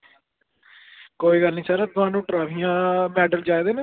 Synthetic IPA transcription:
koːiːɡəlnĩːsaːɾaːt̪ʊaːnũːʈɾaːʋijãːmɛːɖəld͡ʒaːeːd̪eːneː

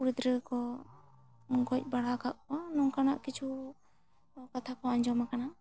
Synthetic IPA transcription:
uɾid̪ɾəkɔ | ŋɡɔc̚ˀbaɽakaʔ̚kɔwanɔŋkanaʔkit͡ʃʰu | kat̪ʰakɔaɲd͡ʒɔmakana

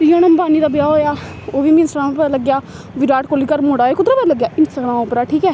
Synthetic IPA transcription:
t̪ɪjõːnəmbaːniːɾəbjaːɦoːjaː | oːʋiːmĩnsɾãːmːpələɡjaː | ʋɪɖaːʈkoliːkəɾmoːɽaːeːkʊd̪ɾaːpələɡjaːʔɪnsəɡɽ̃ãːõːpɾaːʈʰiːkɛː

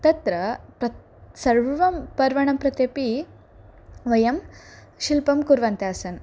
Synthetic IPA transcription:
t̪ɐt̪ɾɐpɾɐ | sɐɾʋʋɐmpɐɾʋɐɳɐmpɾɐt̪jɐpi | ʋɐjɐm | ʃilpɐmkuɾʋɐnt̪jaːsɐn

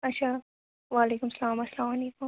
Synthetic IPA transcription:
aʃa | wɑːlekʊmsɐlɑːmɐslɑːmalekʊm

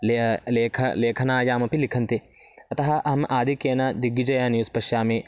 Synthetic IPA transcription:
leleːkʰɐleːkʰɐnaːjaːmɐpilikʰɐnt̪e | ɐt̪ɐɦɐʔɐɦɐmʔaːd̪ikeːnɐd̪iɡːid͡ʒɐjaːnijuspɐʃjaːmẽː

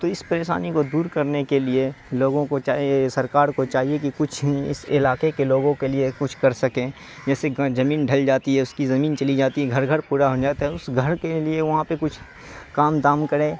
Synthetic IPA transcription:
t̪oɪspɐɾeːʃa̰ːnikod̪uːɾkɐɾnekelieloːɡõkot͡ʃaːɦesɐɾkaːɾkot͡ʃaːɦiekikʊt͡ʃʰɪ̰sɪlaːkekeloːɡõkeliekʊt͡ʃʰkɐɾsɐkẽː | d͡ʒɛːsezɐmiːnɖʱɐld͡ʒaːt̪iɦɛʊskizɐmiːnt͡ʃɐlid͡ʒaːt̪iɦɛɡʱɐɾɡʱəɾpuːɾaɦod͡ʒaːt̪aɦɛʊsɡʱɐɾkelieʋɐɦãpekʊt͡ʃʰ | kaːmd̪aːmkɐɾẽː

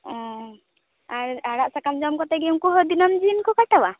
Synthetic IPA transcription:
ɔ̃ | aɾaɽaʔsakamd͡ʒɔmkɔt̪ɛɡɛŋkuɦɔd̪inɔmd͡ʒinkɔkaʈawa

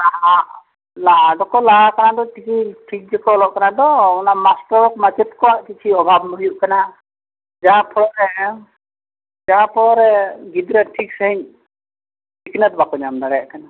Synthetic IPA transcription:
laɦa | laɦaɖɔkɔlaɦakanad̪ɔʈʰikʰiʈʰik̚d͡ʒɛkɔːlɔʔkanad̪ɔɔnamasʈɔɾɔk̚mad͡ʒɛt̪kɔwaʔkit͡ʃʰiɔbʱabnɔɦujuʔkana | d͡ʒaɦãpʰɔɽɔɾɛ | d͡ʒaɦãpʰɔɔɾɛɡid̪ɾɛʈʰik̚səɦiɲ | iknət̪̚bakɔɲamd̪aɽɛjaʔkana

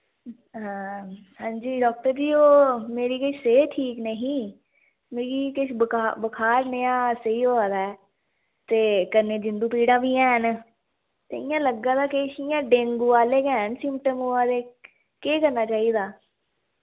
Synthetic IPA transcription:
ɦãː | hãːɲd͡ʒiːɖɔːk̚ʈəɾd͡ʒiːoːmeːɾiːkɪʃseːʈʰiːknəɦĩː | meːɾiːkɪʃbabəkʰaːɾneãːsəiːɦoːaːd̪aːɛː | t̪eːkəneːd͡ʒɪnd̪uːpiːɽãːbiːɛ̃ːɦən | t̪eɪjãːləɡːãːd̪aːkeʃɪjãːɖẽːŋɡuːaːleːkɛːnsɪ̃mpʈəmoːaːd̪eː | keːkəɾnaːt͡ʃaːiːd̪aː

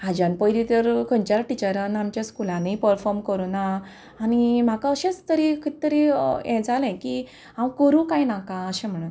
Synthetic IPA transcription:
ad͡ʑãnpəjd̪it̪əɾkʰə̃ɳt͡ɕalʈit͡ɕəɾanamt͡ɕjaskulãnipəɾfɔɾmkəɾunaː | nim̤akaəɕẽt͡st̪əɾikʰit̪t̪ːəɾiɛ̃d͡zalɛ̃ki | ãmkəɾũːkãjnakãəɕɛ̃m̤əɽ̃ən

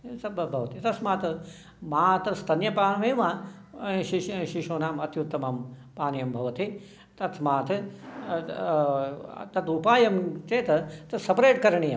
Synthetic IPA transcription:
t̪ɐɐbʱɐʋɐt̪it̪ɐsmaːt̪ɐ | maːt̪ɾst̪ʰɐnjɐpaːnmeːʋa | ʃiʃiʃoːnaːmɐt̪jut̪ːɐmɐmpaːnjɐmbʱɐʋɐt̪i | t̪ɐt̪ʰmaːt̪ʰɐ | t̪ɐt̪upaːjɐmt͡ʃeːt̪ɐt̪ɐsɐpɾeːʈkɐɾɐɳijɐm

